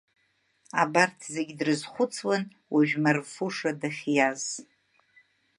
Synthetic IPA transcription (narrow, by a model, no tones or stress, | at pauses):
abartʰzeɡʲdrɨzχʷʊt͡sʰwan | wʔaʒᶣmarfuʂadaχʲjaz̥